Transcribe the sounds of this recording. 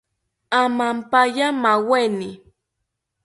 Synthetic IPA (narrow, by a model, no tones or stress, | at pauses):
amampajamawenɪ